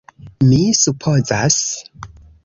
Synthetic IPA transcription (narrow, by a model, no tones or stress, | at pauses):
misupʰozas